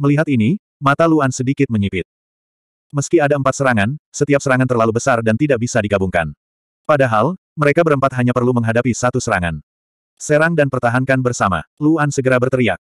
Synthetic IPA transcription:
məliɦat̪ini | mat̪aluansədikɪt̪̚məɲipɪt̪̚ | məskiadaəmpat̪̚səɾaŋansət̪iap̚səɾaŋant̪ərlalubəsardant̪idak̚bisadiɡabuŋka̰n | padaɦal | məɾekabəɾəmpat̪̚ɦaɲapərluməŋɦadapisat̪usəɾa̰ŋa̰n | seɾaŋdanpərt̪aɦaŋkanbərsama̰luansəɡəɾabərt̪əɾia̰k̚

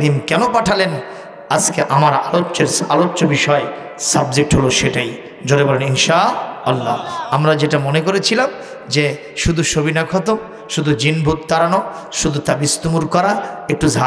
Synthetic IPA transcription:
ɾimkɛnopaʈʰalen | askeʔamaɾalotːɕeɾsalotːɕobiʃɔe | sab̚d͡ʑek̚ʈɦoloʃeʈaj | d͡ʑoɾebɔleninʃaalːa̰amɾad͡ʑeʈamonekoɾet͡ɕʰilam | d͡ʑe | ʃud̪ʱuʃobinakʰɔt̪om | ʃud̪ʱud͡ʑinbʱut̪̚t̪aɾano | ʃud̪ʱut̪abist̪umuɾkɔɾaek̚ʈuzʱa

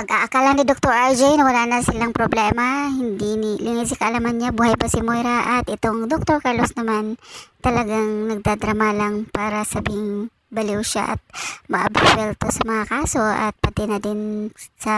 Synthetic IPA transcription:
pɐɡʔaʔɐkalɐŋnɪd̪ok̚t̪oɾʔad͡ʒɛjnɐwɐlaːnɐsɪlaŋpɾoblɛːmahɪnd̪inɪlʔɪŋɪsɪkɐʔɐlamɐnɲabuːhɐjbasɪmojɾaʔɐt̪ʔɪt̪o̞ŋd̪ok̚t̪oɾkɐɾlosnɐmant̪ɐlɐɡaŋnɐɡ̚d̪ad̪ɾɐmalaŋpaːɾɐsɐbiːhɪŋ | bɐlɛwʃa̰ʔɐ̰t̪̚mɐʔɐbswɛlt̪osɐmɐŋakaːso̞ʔɐ̰t̪̚pɐt̪ɛnɐd̪ɪnsɐ

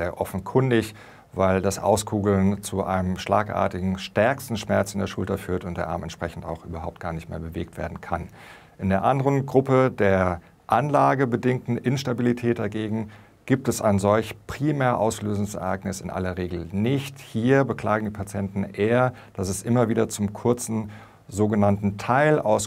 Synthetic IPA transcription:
zeːɐʔɔfn̩kʰʏndɪç | vaɪldasʔa̰ʊskʰuːɡl̩nt͡suʔa̰ɪnəmʃla̰ːkʔa̰ːɐtɪɡŋ̩ʃtɛɐkstn̩ʃmɛɐt͡sɪndeːɐʃʊltɐfyːɐtʊntd̥eːɐʔa̰ːmɛ̰ntʃpʁ̥ɛçn̩ta̰ʊxʔy̰ːbɐɦaʊp̚t̚ɡ̥aːɐnɪçtmeːɐbəveːk̚tv̥ḛːɐdn̩kʰan | ʔɪndeːɐʔandəʁənɡʁʊpədeːɐ | ʔanlaːɡəbədɪŋk̚tn̩ʔɪnʃtabilitʰɛːt̚d̥aɡeːɡŋ̩ | ɡ̥iːp̚tɛsa̰ɪnzɔlçpʁ̥iːmɛːɐʔaʊsløːzʊŋsɛ̰ɐʔa̰ɪknɪsɪ̰nʔa̰lɐʁeːɡl̩nɪçthiːɐbəkl̥aːɡŋ̩diːpʰat͡sjɛntn̩ʔeːɐ | d̥asɛsʔɪmɐviːdɐt͡sʊmkʰʊɐt͡sn̩ | zoːɡənantn̩tʰaɪlʔa̰ʊs

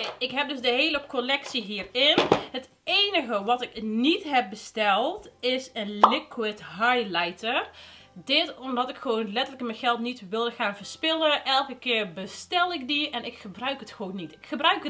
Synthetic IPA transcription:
ɪkɦɛp̚dɵsdəɦeːləkolɛksiɦiːrɪnɦət | ejnəɣəʋɑtɪknitɦɛp̚bəstɛlˠtɪsənlɪkwɪtɦajlajtər | dɪtɔmdɔtɪkxəʋownlɛtələkməjχɛlˠtnitʋɪlˠdəχaːnvəɹspɪləʔɛlˠkəkɪːrbəstɛlˠɪkdiɛnɪkxəbrœɥkətxəʋoːnːitɪkxəbrœɥkə

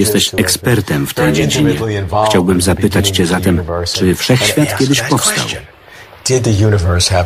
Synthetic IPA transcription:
jɛst̪ɛɕɛkspɛɾt̪ɛmft̪ɛjd͡ʑed͡ʑiɲɛxt͡ɕawbɘmzapɘt̪at͡ɕt͡ɕɛzat̪ɛmt͡ʂɘfʂɛxɕfʲjat̪kʲɛd̪ɪɕpɔfst̪a̰w | d̥ɪd̪̚ðɨjunəvə˞shə

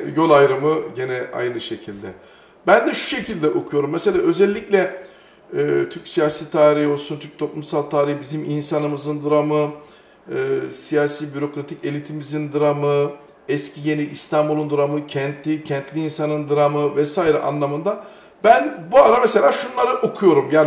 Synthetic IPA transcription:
jo̞lˠajɾɯmɯɟe̞nɛʔa̰jnɯʃe̞cʰilʲd̪ɛ | bænd̪ɛʃu̥ʃe̞cʰilʲd̪ɛʔo̞kʰujo̞ɾumːese̞lʲaːʔø̞zɛlʲːiclʲɛ | ɛːt̪ʰyɾcsijaːsiːt̪ʰaːɾihio̞lˠsunt̪ʰyɾc̚t̪ʰo̞plˠumsalˠt̪ʰaːɾihibiziminsanɯmɯzɯnd̪uɾamɯ | ɯːsijaːsiːbyɾo̞kɾat̪ʰice̞lʲit̪ʰimizind̪ɯɾamɯ | ɛscʰije̞niʔːst̪ʰambulˠund̪uɾamɯcʰɛnt̪lʲicʰɛnt̪lʲiiːnsanɯnd̪ɯɾamɯvɛsaːiɾɛ̰ʔa̰nlˠamɯnd̪a | bænbuaɾamese̞lʲaːʃunlˠaɾɯʔokʰujo̞ɾumjaːn

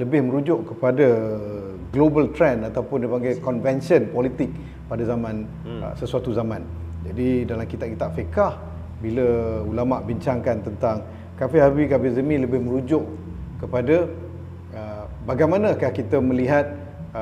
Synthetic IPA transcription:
ləbɪhmə̃ɾud͡ʒʊʔkəpada | ɡlobəlt̪ɾɛnat̪awpʊndipaŋɡajkɔnvɛnsiənpɔlit̪ɪk̚ | padazamãn̰ | səsuat̪uzamãn | d͡ʒadidalamkit̪aʔ̚ki̥t̪aʔfekah | biləulamaʔbiɲt͡ʃaŋkant̪ənt̪aŋ | kafɪɦabikafizəmĩləbɪhməɾud͡ʒʊʔ | kəpada | ə | baɡajmanəkahkit̪əmə̃liɦat̪̚

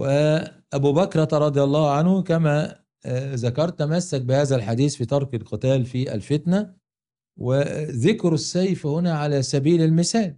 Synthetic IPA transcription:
wʔɪʔæbuːbækɾˤɑɾˤɑd̪ˤjɑlˤːɑːhʕanhʊkæmæ | zækɑɾˤt̪ːæmæsːæk̚bɪhæːzælħad̪iːsfiːt̪ˤɑɾˤkelqɨt̪æːlfiʔæ̰lfɪt̪næ | wɪðɪkɾɪsːæjfhʊnæːʕalæsæbiːlɪlmɪsæːl

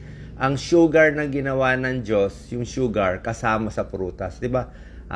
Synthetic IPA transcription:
ʔɐŋʃuːɡɐɹnɐŋɡɪnɐwanɐŋd͡ʒo̞sjʊŋʃuːɡɐɹkɐsaːmɐsɐpɾuːt̪ɐsd̪ɪba | ʔ

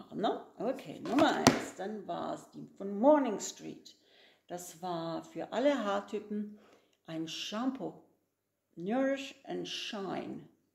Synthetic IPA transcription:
noʊʔokʰḛːnʊmɐʔa̰ɪnsd̥anva̰ːɐɛ̰sd̥iːmfɔnmɔɐnɪŋstʁ̥ḭːt | d̥asv̥aːɐfyːɐʔaləɦaːtʰyːpm̩ | ʔaɪnʃampʰo | nœːʁɪʃʔantʃaɪn

